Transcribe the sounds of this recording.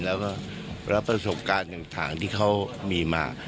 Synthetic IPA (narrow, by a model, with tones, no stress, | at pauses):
lɛː˦˥wkɔː˥˩ | ɾa˦˥pːɾa˧so˨˩p̚kaː˧nja˨˩ŋt̪ʰa̰ː˩˦ŋt̪ʰiː˥˩kʰa˦˥wmiː˧ma̰ː˧